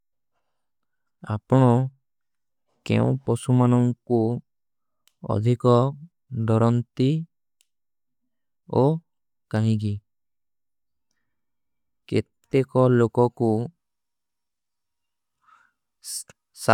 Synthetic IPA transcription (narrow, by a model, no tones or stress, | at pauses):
apɔɽ̃ɔ | kḛṵ̃pɔsumanɔŋku | ɔ̰d̪ʱikɔ | d̪ɔɾɔnt̪i | o | kaɦĩɡi | ket̪ekɔlokɔku | sa